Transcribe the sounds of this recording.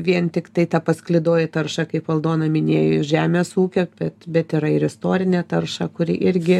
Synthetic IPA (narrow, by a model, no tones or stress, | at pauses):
ʋʲiɛnt̪ʲɪkt̪ɐɪt̪ɐpɐsklʲɪd̪oːjɛt̪ɐrʃɐkɐɪpʋɐlˠd̪oːnɐmʲɪnʲeːjoɪʒʲæːmʲeːsuːkʲob̥ʲɛt̪bʲɛt̪ɪɾɐɪɾɪst̪oːɾʲɪnʲɛt̪ɐrʃɐkʊɾʲɪ̰ʔɪɾʲɡʲɪ